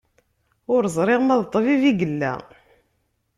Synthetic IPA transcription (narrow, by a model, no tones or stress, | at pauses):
ʊɾəzˤɾˤɪʁmæðt̪ˤːviviɡəlːæ̰